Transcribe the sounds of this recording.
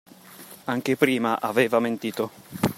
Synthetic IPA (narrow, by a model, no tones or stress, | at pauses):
aŋk̟epɾiːmaʔaveːvament̪iːt̪o